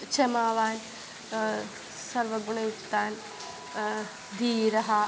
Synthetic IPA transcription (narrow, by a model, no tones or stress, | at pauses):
t͡ʃemaːʋaːn | sɐɾʋɐɡuɳ̃ɐjukt̪ːaːn | d̪iːɾɐɦɐ